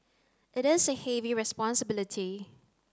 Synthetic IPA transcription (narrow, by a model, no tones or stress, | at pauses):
ʔɪɾɪsəhɛviɹɛspɔ̃nsəbɪlɪtʰi